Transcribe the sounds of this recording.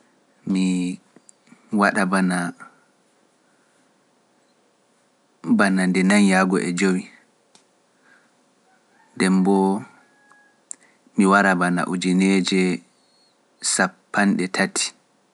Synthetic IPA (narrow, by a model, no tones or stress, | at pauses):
mi | waɗabana | banandɛnanjaɡɔ̰ʔɛd͡ʒowi | ndɛmbɔ | miwaɾabana̰ʔud͡ʒined͡ʒɛ | sapːanɗɛtʰatʰi̥